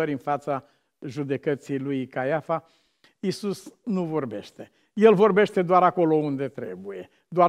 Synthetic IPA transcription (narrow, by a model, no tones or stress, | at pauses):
əɾʲɨnfat̪sa | ʒud̪e̞kət̪sijlujkajafa | isusnuvo̞rbe̞̰ʃt̪e̞ | je̞lvo̞rbe̞ʃt̪e̞d̪oaɾako̞lo̞und̪e̞t̪ɾḛbuje̞ | d̪oa